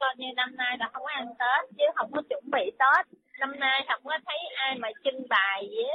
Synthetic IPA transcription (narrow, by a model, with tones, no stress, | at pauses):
kɔ˧jɲɨ˧na˧mnaː˧jvaː˨˩hə˧wŋ͡mkʔa˧ŋt̪ə˦˥t̚t͡ɕɨ˨˦ɦə̰˧˩wŋ͡mkɔ˨˦t͡ɕə˧˩nɓḭ˧˨t̪o˦˥t̚na˧mnaː˧jɦə̰˧˩wŋ͡mkɔ˨˦t̪ʰə˨˦jʔaː˧jmaː˨˩t͡ɕɨ˧ŋɓaː˨˩jɨ˨˦